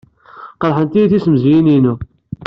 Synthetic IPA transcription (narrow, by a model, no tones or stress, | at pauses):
qəɾˤħənt̪ijiθisəmzjininu